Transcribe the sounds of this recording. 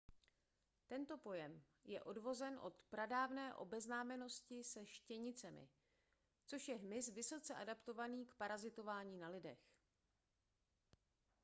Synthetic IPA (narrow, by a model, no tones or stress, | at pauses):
t̪ɛnt̪o̞po̞jɛm | jɛ̰ʔo̞dvo̞zɛnʔo̞̰t̪pɾadaːvnɛːʔo̞̰bɛznaːmɛno̞scɪsɛʃcɛɲɪt͡sɛmɪ̰ | t͡so̞ʃjɛɦmɪsvɪso̞t͡sɛʔadapt̪o̞vaniːkpaɾazɪt̪o̞vaːɲiːnalɪdɛx